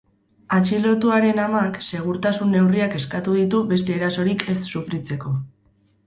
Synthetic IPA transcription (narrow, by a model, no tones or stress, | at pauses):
at͡ʃilo̞t̪uaɾe̞namakse̞ɣ̞uɾt̪asunːe̞wriake̞skat̪uðit̪uβe̞st̪e̞ːɾaso̞ɾikʰe̞sːufɾit͡se̞ko̞